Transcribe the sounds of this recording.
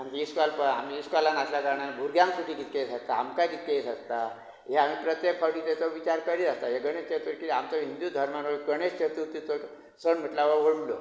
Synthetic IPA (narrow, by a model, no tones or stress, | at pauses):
aniiskalpəamiːskalanaslakəɾɳabʱuɾɡjãŋsuʈʰikit̪kesəst̪aamkajkit̪̚kesəst̪a | ɦeamiːpɾət̪jekfʰəɽiːt̪et͡sɔʋit͡ɕaɾkəɾid͡zast̪aɦjeɡəɳ̃est͡ɕʰet̪əɾkit̪iamt͡sɔɦind̪jud̪ʱəɾmanoɡəɽ̃est͡ɕʰet̪ut̪it̪o | səɳm̤əʈlaʋəʋoɽlo̰